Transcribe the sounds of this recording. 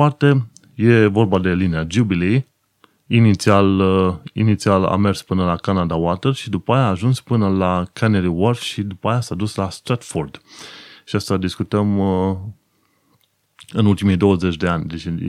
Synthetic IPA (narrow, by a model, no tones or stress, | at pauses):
art̪e̞ | je̞vo̞rbad̪e̞linead͡ʒubilej | init̪sialinit̪siala̰me̞rspɨnəlakanad̪awat̪erʃid̪upajaːʒunspɨnəlakʰaneɾiworfʃid̪upajasad̪uslast̪ɾat̪ford̪ʃiast̪ad̪iskut̪əm | ɨnult̪imijd̪o̞wəze̞t͡ʃʲd̪e̞anʲd̪et͡ʃe